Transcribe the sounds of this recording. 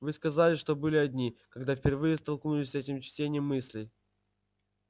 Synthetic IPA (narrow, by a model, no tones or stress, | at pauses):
vɨskɐzalʲɪʂt̪o̞bɨlʲɪɐdʲnʲikɐɡd̪afʲpʲɪrvɨjəst̪ɐlˠknulʲɪsʲɛtʲɪmt͡ɕtʲenʲɪjəmːɨsʲlʲɪj